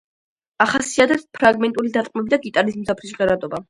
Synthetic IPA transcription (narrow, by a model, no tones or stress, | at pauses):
aχasiat̪ʰɛpspʰɾaɡmɛnt̪ʼulid̪at̪qʼmɛbid̪aɡit̪ʼaɾizmzapʰɾis̬ʁɛɾad̪ɔba